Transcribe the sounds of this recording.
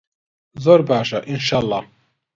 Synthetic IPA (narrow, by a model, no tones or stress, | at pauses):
zoɾbaːʃaʔinʃaːlˠˤːɑː